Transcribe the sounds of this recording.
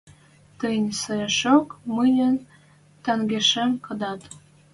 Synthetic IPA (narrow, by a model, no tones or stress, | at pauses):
t̪ənʲsəeʃokmɨnʲən | t̪ə̆ŋɡeʃemkə̆d̪ɑt̪